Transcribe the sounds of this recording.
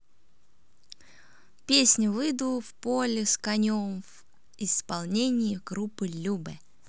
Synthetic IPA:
pʲesʲnʲʊvɨd̪ufpolʲɪskɐnʲomv | ɪspɐlˠnʲenʲɪɪɡɾupːɨlʲubɛ

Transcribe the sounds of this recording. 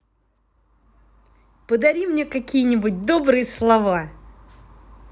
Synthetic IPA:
pəd̪ɐɾʲimnʲekɐkʲijənʲɪbʊt̚ʲd̪obɾɨjəslˠɐva

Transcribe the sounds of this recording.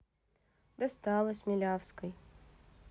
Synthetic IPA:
d̪ɐst̪ɑlˠəsʲmʲɪlʲafskəj

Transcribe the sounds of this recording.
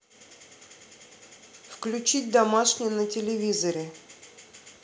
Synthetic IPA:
fklʲʉt͡ɕit̚ʲd̪ɐmaʂnʲɪjənətʲɪlʲɪvʲizəɾʲɪ

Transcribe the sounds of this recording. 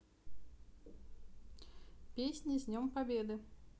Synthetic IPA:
pʲesʲnʲizʲnʲɔmpabʲɛd̪ɨ

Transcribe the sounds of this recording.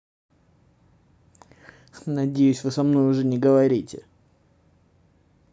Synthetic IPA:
nɐdʲejʉsʲvɨsɐmno̞jʊʐɛnʲɪɡəvɐɾʲitʲɪ̰

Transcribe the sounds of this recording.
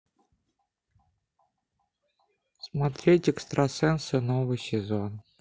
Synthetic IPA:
smat̪ɾʲetʲɛkst̪ɾɐsɛnsɨnovɨjsʲɪzon

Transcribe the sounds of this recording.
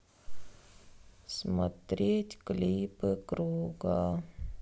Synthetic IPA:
smɐt̪ɾʲetʲklʲipɨkɾuɡa

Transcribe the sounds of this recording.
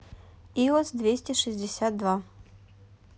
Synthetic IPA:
iɔsd̪vʲesʲtʲɪʂɨzʲdʲɪsʲat̪̚d̪va

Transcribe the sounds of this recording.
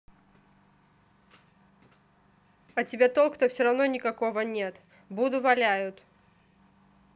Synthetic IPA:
ɐtʲɪbʲe̞t̪olˠkt̪əfsʲoɾɐvnonʲɪkɐkovənʲe̞t̪ | bud̪ʊvɐlʲæjʊt̪

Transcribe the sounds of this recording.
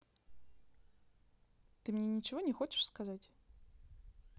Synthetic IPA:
t̪ɨmnʲɛnʲit͡ɕivɔnʲɛxɔt͡ʃɪ̥ʂskazatʲ

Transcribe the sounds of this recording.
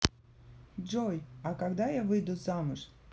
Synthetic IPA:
d͡ʒɔjɐkaɡd̪ajavɨjd̪ʊzamʊʂ

